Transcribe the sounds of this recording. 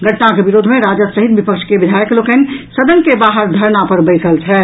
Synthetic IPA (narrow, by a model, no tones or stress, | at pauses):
ɡʱəʈnakebiɾoːd̪ʱmẽɾad͡ʒəsəɦit̪̚bipəkʃkeʋɪd̪ʱajəklokənsəd̪ənkebaɦəɾd̪ʱəɾnapəɾbəjsəlt͡ʃʰɛː